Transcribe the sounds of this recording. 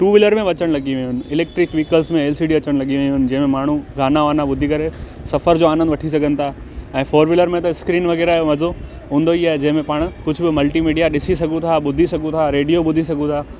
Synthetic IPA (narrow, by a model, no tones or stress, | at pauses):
ʈuːʋɪləɾmẽʋɐt͡ɕəɽ̃lɐɡiʋɪ̃ɦʊnɪ̆ɪleːk̚ʈɾɪkʋiːkəlsmẽeːlsiːɖiɐt͡ɕəɽ̃lɐɡiʋẽɦʊnɪ̆d͡ʑɐ̃ɦɪ̃mẽmaːɳ̤ũɡʱaːnaʋaːnaɓʊd̪ʱikɐɾe | sɐfəɾd͡ʑoːaːnə̃nd̪ʋɐʈʰis̬ɐɡʱənɪ̆t̪ʰaːɦe | ɛ̃ːfoːɾʋɪləɾmẽt̪ɐɪskɾiːnʋɐɣɛːɾaʋɐzo | ɦũːnd̪oiaːɦed͡ʑɐ̃ɦɪ̃mẽpaːɽ̃ʊkʊd͡ʑʱʊbɪmɐlʈimiːɖijaɗɪsisɐɡʱũt̪ʰaɓʊd̪ʱisɐɡʱũt̪ʰaɾeːɖijoɓʊd̪ʱisɐɡʱũt̪ʰaː